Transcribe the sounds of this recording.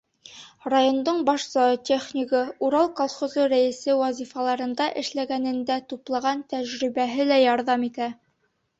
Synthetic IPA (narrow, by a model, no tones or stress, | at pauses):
rajo̞nd̪oɴbɑʃzɒt̪ʲeχnʲikɤuɾɑlˠkolˠχozɤɾæɘ̆sɘwɑzifɑlˠɑɾɤ̆nd̪ɑʔɘ̆ʃlæɡænɘ̆nd̪æt̪uplˠɑʁɑnt̪æʑɾibæɦɘlæjɒɾðɑmit̪æ